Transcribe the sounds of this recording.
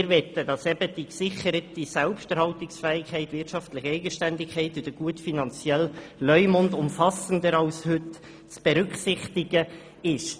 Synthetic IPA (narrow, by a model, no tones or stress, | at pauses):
ɪɾʋɛt̪ːəd̥ɑsɛb̥əd̥iksɪχəɾətisɛlpʃtɛɾhɑltɪksfɛːɪkʰɛɪtvʋɪrtʃɑftlɪχɛɪɡəʃtændɪkʰχɛɪtɪd̥əɡ̥uətfinɑnt͡sjɛllœʏmɔndʊmfɑsəndəɾɑʊshʏt | t͡sb̥eɾʏksɪχtɪɡə | ɪʃ